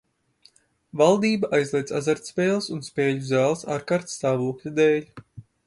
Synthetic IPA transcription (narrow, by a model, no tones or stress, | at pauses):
valˠd̪iːbaʔajzlˠiɛd̪sa̰zaɾt̪spʲeːlˠsunspʲɛːʎʲuzæːlˠsaːɾkaɾt̪sːt̪aːvuɔklʲud̪ɛːlʲ